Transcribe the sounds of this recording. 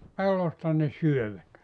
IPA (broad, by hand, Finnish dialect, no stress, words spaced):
pelːostɑ ne syøʋæt